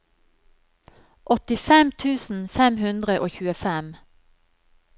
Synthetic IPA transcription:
ʔɔt̪ɪfɛmt̪ʰʉːsn̩fɛmhʉnd̪ʁəʔoːçʉːəfɛm

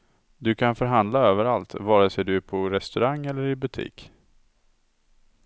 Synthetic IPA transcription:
d̪ɵkʰanfœɾɦand̪laøːvəɾalt̪vɑːɾəsɛd̪ɵæpʰɔɾɛst̪ɵɾaŋːɛlːəɾɪbɵt̪ʰḭːk

